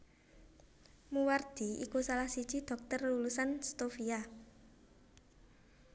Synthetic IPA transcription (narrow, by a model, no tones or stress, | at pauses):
muward̪̥iikusalahsi̥t͡ʃid̪̥ɔ̤k̚t̪ərlulusanst̪ofia